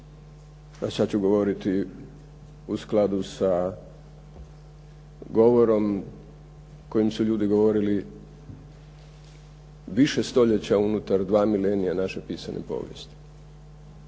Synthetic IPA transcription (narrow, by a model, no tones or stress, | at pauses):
asat͡ɕuɡo̞ʋo̞ɾit̪i | usklˠad̪usa | ɡo̞ʋo̞ɾo̞m | ko̞jimsuʎuːd̪iɡo̞ʋo̞ɾili | ʋiʃe̞st̪o̞ʎet͡ɕaunut̪aɾd̪ʋaːmilenijanaʃe̞piːsanʔḛpo̰ːʋjest̪i̥